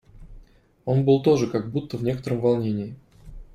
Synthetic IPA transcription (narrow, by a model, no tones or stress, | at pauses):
o̞nbɨlˠt̪o̞ʐɨkaɡ̚but̪ːəvnʲe̞kət̪əɾəmvɐlˠnʲenʲɪːɪ